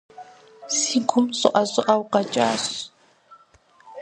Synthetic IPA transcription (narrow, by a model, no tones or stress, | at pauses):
sikʊmso̰ʔasɔʔawqɑt͡ʃʼa̰s